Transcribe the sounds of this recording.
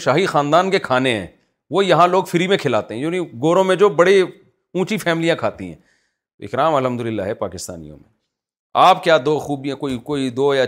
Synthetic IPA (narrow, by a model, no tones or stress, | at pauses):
ʃaːɦixaːnd̪aːnkekʰaːneɦɛ̰̃ː | ʋojɐɦãloːɡfɪɾimẽkʰɪlaːt̪eɦɛ̃d͡ʒoːnĩɡoːɾõmẽd͡ʒoːbɐɽi | ũːt͡ʃifʰɛːmɪlijãkʰaːt̪ḭɦɛ̰̃ː | ɪ̰kɾaːmɐlɦə̃md̪ʊlɪlːaɦɛpaːkɪst̪a̰ːnḭjõ̰mḛ̃ | aːpkjaːd̪oːxuːbiɛ̃koːikoːid̪oːja